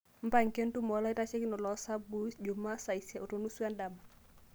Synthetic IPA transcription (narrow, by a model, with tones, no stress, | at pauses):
m̩˦paŋke˦ntu˦mɔla˦i˦tat͡ʃɛ˦ki˦nɔ˨lɔsa˦bu˦sd͡ʒomasa˨isja˨ʔo˨tonu˦su˦andama